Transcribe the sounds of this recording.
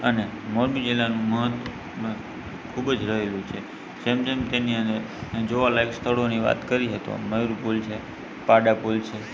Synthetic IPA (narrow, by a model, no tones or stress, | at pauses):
əne | moɾbid͡ʒelanũməɦət̪ | kʰubd͡ʒɾəɦelũt͡ʃʰe | d͡ʒemt̪emt̪eniə̃nd̪əɾ | d͡ʒoʋalaikst̪ʰəɽoniʋa̰t̪kəɾiɦət̪o̰məjɾupult͡ʃʰe | paɖapolt͡ʃʰe